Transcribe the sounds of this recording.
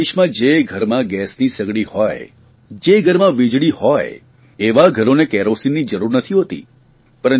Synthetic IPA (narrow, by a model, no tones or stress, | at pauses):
iʃmãd͡ʒeɡʱəɾmãɡɛsnisəɡɽihɔj | d͡ʒeɡʱəɾmãʋid͡ʒɽihɔj | eʋaɡʱəɾonekɛɾosinːid͡ʒəɾuɾnət̪ʰiɦot̪ḭ | pəɾən